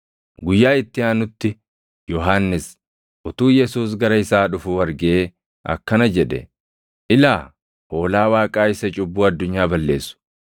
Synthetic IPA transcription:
ɡʊjːaːɪt̪ːɪaːnʊt̪ːɪ | jɔɦaːnːɪs | ʔʊt̪uːjɛsuːs̬ɡɐɾɐɪsaːᶑʊfʊwɐɾɡeː | ʔɐ̰kːɐnɐd͡ʒɛᶑɛ̰ | ʔɪlaː | ʔo̞ːlaːwaːkʼaːɪsɐt͡ʃʼʊbːuːɐd̪ːʊɲːaːbɐlːe̞ːsːʊ̥

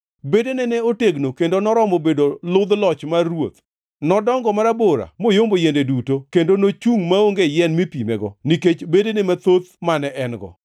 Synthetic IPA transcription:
bedenɛnɛoteɡnokendonɔɾɔmobedolʊd̪lɔt͡ʃmawot̪ | nɔdɔŋɡɔmaɾaboɾa̰mojombojendedutokendonot͡ʃuŋmaoŋɡejɛnmipimɛ̰ɡɔniket͡ʃbedenemat̪ot̪manɛʔɛnɡɔ̰

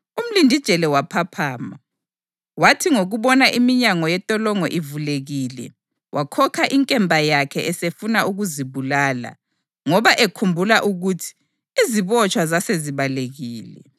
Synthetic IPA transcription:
um̩lindʱid̥ʒ̥ʱɛlɛwapʰapʰaːma | watʰiŋoɣuβɔnaʔimiɲaŋɔjɛtʼɔlɔŋɔʔivuleɣiːlɛ̰ | wʔakʰɔkʰaʔiŋkʼɛmbʱajakʰɛʔɛsefunaʔuɣuziβulaːla̰ | ŋɔβaʔekʰumbʱulaʔuɣutʰi̥ː | ziβɔt͡ʃʼwazaseziβaleɣiːlɛ̰

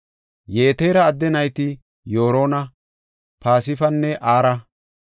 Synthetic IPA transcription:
jeːt̪eːɾɐːd̪ːɛnɐjt̪ɪ | joːɾoːnɐ | paːsɪfɐnːɛʔaːɾɐ

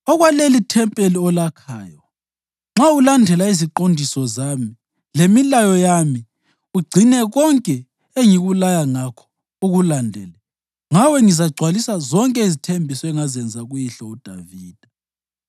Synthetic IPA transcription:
ɔɣwalelitʰɛmpʼeliɔlakʰa̰ːjɔ | ŋ͡ǁaulandʱɛlaiziǃondʱisɔzami | lemilajɔjami | uɡ͡ǀʱinɛɣɔŋkʼɛ | eŋiɣulajaŋakʰɔ̥ | uɣulandʱɛ̰lɛ | ŋawɛŋizaɡ͡ǀʱwalisazɔŋkʼɛizitʰembʱisɔɛŋazɛnd͡zʱaɣujiɬɔud̥ʱa̰viːd̥ʱa

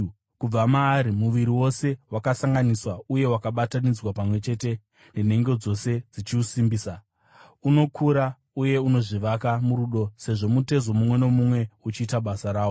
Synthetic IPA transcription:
kub͡vamaːɾimuʋiɾiwo̞se̞wakasaŋɡaniswauje̞wakaɓatanid͡zwapamwe̞t͡ʃe̞ːte̞ | nen̤e̞ŋɡo̞d͡zo̞se̞d͡zit͡ʃiusimbiːsa | uno̞kʰuɾa | uje̞uno̞ʐiʋakamuɾuɗo̞se̞ʐo̞mute̞zo̞mumwe̞no̞mumwe̞ut͡ʃiːtaɓasaɾaː

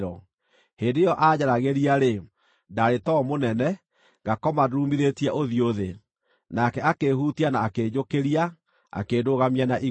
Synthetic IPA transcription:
ɾɔ | heːndejɔʔad͡ʑaɾaɣeɾiaɾe | daɾetɔmonɛnɛ | ɣakɔmadumiɾetjɛʔoðioðe | nakɛakehutianaːked͡ʒokeɾia | a̰keːdoɣamijanaʔi

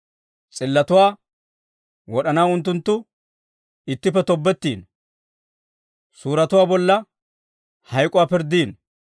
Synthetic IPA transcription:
t͡sʼɪlːɐt̪ʊwaː | wɔɗɐnaːʊnt̪ːʊnt̪ːʊ | ɪt̪ːɪpːɛt̪ɔbːɛt̪ːiːn | suːɾɐt̪ʊwaːbɔlːɐ | hɐjkʼʊwaːpɪɾd̪iːn

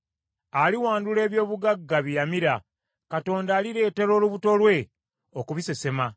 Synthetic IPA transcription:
aliwaːndule̞ːβjo̞ːβuɡaɡːaβijamiɾa | kato̞ːndaːliɾe̞ːte̞ɾo̞ːluβuto̞lwe̞ | okuβise̞se̞ma

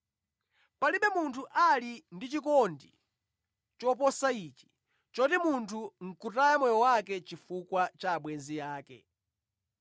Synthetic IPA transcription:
paliɓɛmuntʰuʔalindit͡ʃikɔndḭ | t͡ʃɔpɔsaiːt͡ʃi̥ | t͡ʃɔtimuntʰuŋ̩kutajamɔjɔwakɛt͡ʃifukwat͡ʃaːɓwɛnzijaːkɛ̰

